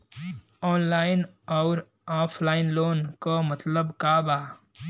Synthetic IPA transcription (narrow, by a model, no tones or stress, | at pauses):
ɔːnlaːɪn | ɔːɾ | aːpʰlaːɪnloːnkomət̪ləbkaːbaː